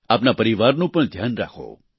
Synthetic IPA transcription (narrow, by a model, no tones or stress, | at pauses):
apnapəɾiʋaɾnũpəɳd̪ʱjanɾa̰kʰo̰